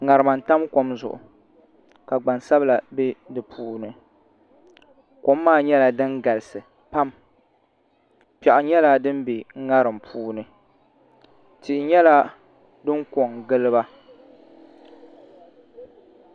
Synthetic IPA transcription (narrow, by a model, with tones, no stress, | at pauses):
ŋa˨ɾɨ˨ma˨n̩˨ta˦mko˦mzʊ̰˨ʔʊ̰˨ | ka˨ɡ͡ba˨nsa˦bla˨be˦dɨ˨pʰuː˦nɨ˨ | ko˦mːaː˦ɲɛ˦la˨dɨ˦ŋɡa˨lɨ˨sɨ˨ | pa˦m | pɛ˨ʔʊ˨ɲɛ˦la˦dɨ˦mbe˨ŋ˦ŋa˦ɾɨ˨mpʰuː˦nɨ˨ | tɪ˨ʔɪ˨ɲɛ˦la˦ | dɨ˦ŋko˨ŋɡɨ˦lɨ˦ba˦